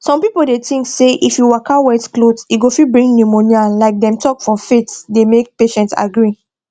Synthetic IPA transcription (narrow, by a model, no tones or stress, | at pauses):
sɔ̃mpipoldetĩŋkseʔifjuwakawɛtklodsiɡofibɹĩŋɡnjumonjalaɪk̚dɛ̃mtʰɔkfɹɔ̃mfetdemek̚peʃɛ̃nta̰ɡɹi